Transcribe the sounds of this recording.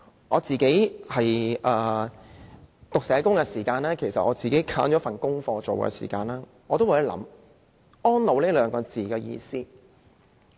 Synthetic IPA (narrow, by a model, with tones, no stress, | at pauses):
ŋɔː˨˧t͡siː˨ke˨˥jhɐ˨jʔɛː˨˧ | t̪ʊ˨ksɛː˨˥kʊ˥ŋkɛ˧siː˨˩kaː˧nlɛː˥kʰe˨˩jsɐ˨t̚ʔɔː˨˧t͡siː˨ke˨˥jkʰaː˧˥nt͡ʃɔː˨˥fɐ˨˩nkʊ˥ŋfɔː˧t͡so˨wkɛ̰˧sḭː˨˩kaː˧nlaː˥ | ŋɔː˨˧t̪o˥waː˨jɐ˨˥lɐ̰˨˥m | ɔː˥nlo˨˧wliː˥lœː˨˧ŋkɔː˧t͡siː˨kɛː˧jḭː˧siː˥